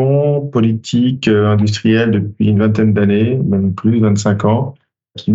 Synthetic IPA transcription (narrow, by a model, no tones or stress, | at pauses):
ɔ̃pɔlit̪ʰikøɛ̃d̪ys̬t̪χijɛld̪əpɥḭynvɛ̃t̪̬ɛnd̪anemɛmplyd̪əvɛ̃t̪sɛ̃kɑ̃ | kʲʰi